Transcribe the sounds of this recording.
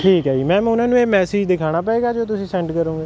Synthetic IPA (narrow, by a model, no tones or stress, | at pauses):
ʈʰiːkɦaːiːmɛ̃ːʊnãːnũːeːmɛːseːd͡ʒd̪ɪkʰaːɽ̃aːp̬ɛeːɡaːd͡ʒoːt̪̬ʊsĩːsɛ̃ːɳʈkəɾõːɡeː